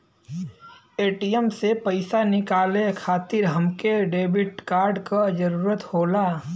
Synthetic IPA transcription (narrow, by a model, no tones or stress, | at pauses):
eːʈijəmsepəɪsanɪkaːlekʰaːt̪ɪɾɦɐmkeɖeːbɪʈkaːɾɖkad͡ʒəɾuːɾət̪hoːlaː